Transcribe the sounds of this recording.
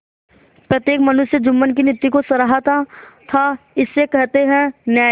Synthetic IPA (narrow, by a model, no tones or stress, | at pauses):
pɾət̪jeːkmɐnʊʃjəd͡ʒʊmːənk̬inɪt̪ːikosɐɾaɦat̪at̪ʰaɪsːekɛɦt̪eɦɛ̃njaː